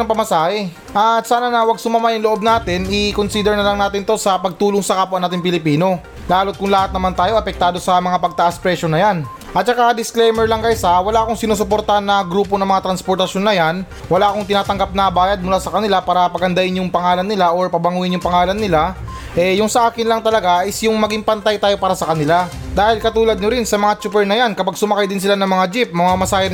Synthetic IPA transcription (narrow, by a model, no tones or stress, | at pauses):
ɐŋpɐmɐsaːhɛ | ʔat̪saːnɐnɐwɐɡ̚sʊmɐmajʊŋloʔo̞b̚naːt̪ɪnɪkonsiːd̪ɛɾnɐlɐŋnaːt̪ɪnt̪o̞sɐpɐɡ̚t̪uːloŋsɐkapʊʔɐnaːt̪ɪŋp̬ɪlɪpiːno̞ | laːlo̞t̪̚kʊŋlɐhat̪nɐmant̪aːjo̞ʔɐpɛk̚t̪aːd̪o̞sɐmɐŋapɐɡ̚t̪ɐʔaspɾɛʃo̞nɐjan | ʔɐt̪̚t͡ʃɐkad̪ɪsklɛjmɛɹlɐŋkɐjsawɐlaːʔkoŋsɪnuːs̬ʊpo̞ɾt̪ɐnːɐɡɾuːpo̞nɐŋmɐŋat̪ɾɐnspoɾt̪ɐʃjo̞nːɐjan | wɐlaːkoŋt̪ɪnaːt̪ɐŋɡap̚nɐbaːjɐd̪̚mʊlaːsɐkɐnɪlapaːɾɐpɐɡɐnd̪ɐʔɪnjʊŋpɐŋaːlɐnːɪlaʔo̞ɹpɐbɐŋuːɪnjʊŋpɐŋaːlɐnːɪla | ʔɛjʊŋsɐʔaːkɪnlɐŋt̪ɐlɐɡaɪsjʊŋmɐɡiŋpɐnt̪ajt̪aːjo̞paːɾɐsɐkɐnɪla | d̪aːhɪlkɐt̪uːlɐd̪̚ɲoɾɪnsɐmɐŋat͡ʃupɛɹnɐjankɐpaɡ̚sʊmɐkajd̪ɪns̬ɪlanɐŋmɐŋad͡ʒip̚mɐŋamɐsaːjɐ